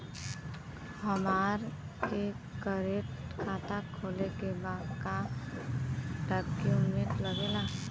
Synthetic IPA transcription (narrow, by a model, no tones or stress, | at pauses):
həmaːɾ | ke | kəɾeʈkʰaːt̪akʰoːlekebaːka | ʈəkkjumeʈ̪ləɡeːla